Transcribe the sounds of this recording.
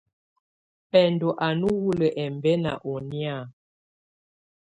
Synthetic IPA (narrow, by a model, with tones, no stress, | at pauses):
pɛ˨ndo˨ʔa˨nu˦wu˦lə˨ʔɛ˨mbɛ˦na̰˨ʔo˨ni˦a˦˨